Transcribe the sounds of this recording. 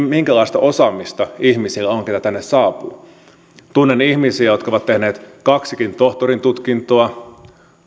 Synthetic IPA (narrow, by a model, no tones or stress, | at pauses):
miŋkælɑist̪ɑʔosɑmist̪ɑihmisilːæoŋket̪æt̪ænːessɑːpṵː | t̪unːenihmisiæjo̞t̪kɑoʋɑt̪t̪ːehneːt̪kɑksikint̪oht̪oɾint̪ut̪kint̪oɑ